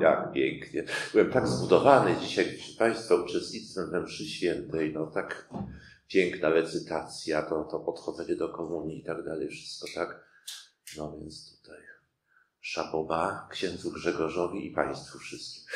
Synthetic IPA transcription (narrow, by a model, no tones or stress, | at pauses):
t̪a̰kpʲjɛŋkɲɛb̥ɘwɛmt̪aɡzbud̪ɔvanɛd͡ʑiɕajpʂɘ̥paj̃st̪faut͡ʂɛst̪ɲit̪sfɛmvɛmpʂɘɕfʲjɛnt̪ɛjnɔt̪ak | pʲjɛŋknaɾɛt̪sɘt̪at̪sʲjat̪ɔt̪ɔpɔt̪xɔd̪zɛɲɛd̪ɔkɔmuɲjiit̪aɡd̪alɛjfʂɘ̥st̪̚kɔt̪ak | nɔvʲjɛnt̪st̪u̥t̪aj | ʂapɔbakɕɛnd̪zuɡʐɛɡɔʐɔvʲiʔipa̰j̃st̪fufʂɘst̪kʲi̥x